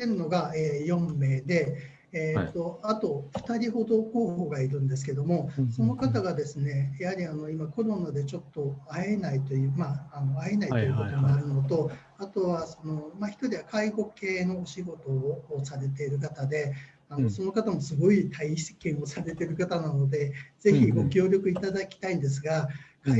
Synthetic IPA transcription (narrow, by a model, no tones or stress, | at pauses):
t̪eɾɯ̟no̞ɡaeːjõ̞mːe̞ːd̪e̞ː | t̪ːo̞at̪o̞ɸɯ̟̥t̪aɾʲiho̞d̪o̞ko̞ːhoɡaiɾɯ̟̃nd̪e̞sɨ̥ke̞d̪o̞mo̞so̞no̞kat̪aɡad̪e̞sɨne̞jahaɾʲiano̞imako̞ɾo̞nad̪e̞t͡ɕo̞t̪ːo̞ae̞nait̪o̞jɯ̟ːmaːno̞aenait̪o̞jɯ̟ko̞t̪o̞moaɾɯ̟no̞t̪o̞ | at̪o̞βaso̞no̞maçi̥t̪o̞ɾʲiβakaiɡo̞ke̞ːno̞ːɕiɡo̞t̪o̞ːsaɾe̞t̪e̞iɾɯ̟k̬at̪ad̪e̞ | ano̞so̞no̞kat̪amo̞sɨɡo̞it̪ʰaise̥kẽ̞ɰ̃o̞saɾe̞t̪e̞ɾɯ̟kat̪anano̞d̪e̞z̥e̞çiɡo̞kʲo̞ːɾʲjo̞kɯ̟it̪ad̪akʲi̥t̪aĩnd̪es̬ɨɡaka